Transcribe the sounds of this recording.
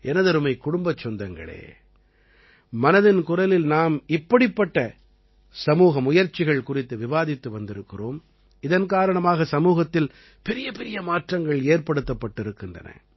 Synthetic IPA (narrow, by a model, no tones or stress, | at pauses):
ʔɛnɐðɐɾɯmɐɪkːʊɽʊmbɐt͡ʃːɔnd̪ɐŋɡɐ̰ɭḛː | mɐnɐðɪnkʊrɐlɪlnaːmɪpːɐɽɪpːɐʈːɐ | sɐmuːɣɐmʊjɐɾt͡ʃːɪɣɐɭkʊrɪt̪ːɯʋɪʋaːðɪt̪ːɯʋɐnd̪ɪɾɯkːɪroːm | ɪðɐnkaːɾɐɳɐmaːɣɐsɐmuːɣɐt̪ːɪl | pɛɾɪjɐpɛɾɪjɐmaːʈrɐŋɡɐɭeːrpɐɽɯt̪ːɐpːɐʈːɪɾɯkːɪndrɐ̰nɐ̰